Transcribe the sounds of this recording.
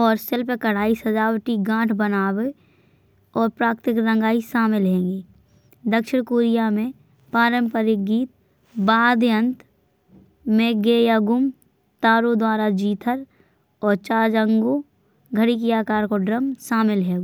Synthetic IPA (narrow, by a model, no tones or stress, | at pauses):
ɔːɾsɪlpekəɽ̤aːisɐd͡ʒaːwʈiɡãːʈʰbənaːwe | ɔːɾpɾaːkt̪ɪkɾə̃ŋɡaːiʃaːmɪlɦẽːŋɡiː | d̪əkʃɪɽ̃koːɾijamẽ | paːɾəmpəɾɪk̚ɡiːt̪̚ | baːd̪ə̃nt̪ | mẽɡeːjaɡʊm | t̪aːɾod̪waːɾad͡ʒiːt̪ʰəɾ | ɔːɾt͡ʃaːd͡ʒə̃ŋɡo | ɡʱəɽikiaːkaːɾkoɖɾəmʃaːmɪlɦɛːɡo